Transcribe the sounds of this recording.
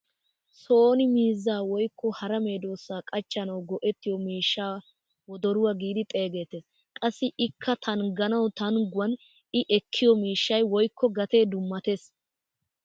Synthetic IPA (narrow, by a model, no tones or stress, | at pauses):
soːnɪmiːzːaːwɔjkʰːɔhɐɾɐme̞ːd̪o̞ːsːaːkʼɐt͡ʃːɐnɐwɡɔʔɛt̪ːɪjɔmiːʃːaː | wɔd̪ɔɾʊwɐɡiːd̪ɪt̪ʼe̞ːɡe̞ːt̪eːs | kʼɐsːɪʔɪkʰːɐt̪ʰɐnɡɐnɐwt̪ɐnɡʊwɐn | ɪʔɛkʰːɪjɔmiːʃːɐjwɔjkːɔɡɐt̪e̞ːd̪ʊmːɐt̪e̞ːs